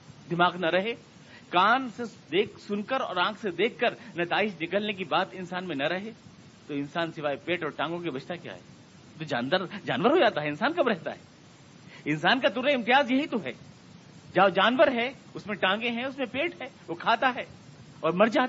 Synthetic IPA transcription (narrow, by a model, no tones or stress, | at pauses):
d̪ɪmaːɡnɐɾɐɦeː | kaːnsed̪eːksʊnkəɾɔ̰ːɾãːkʰsed̪eːkʰːəɾnɐt̪aːɪʃnɪkəlnek̬ibaːt̪ɪnsaːnmẽnɐɾɐɦe | t̪oɪnsaːnsɪʋaːepeːʈɔːɾʈãːŋɡõkebɐt͡ʃʰt̪akja̰ːɦɛ̰ː | t̪od͡ʒaːnəɾd͡ʒaːnʋəɾɦod͡ʒaːt̪aɦɛɪ̃nsaːnkɐbɾɛɦt̪a̰ɦɛ̰ː | ɪnsaːnkat̪ʊɾeɪ̃mt̪ɪjaːzjɐɦit̪oɦɛ̰ː | d͡ʒad͡ʒaːnʋəɾɦɛ | ʊsmẽʈãːŋɡẽɦɛ̃ʊsmẽpeːʈɦɛːʋokʰaːt̪aɦɛː | ɔːɾmɐɾd͡ʒaː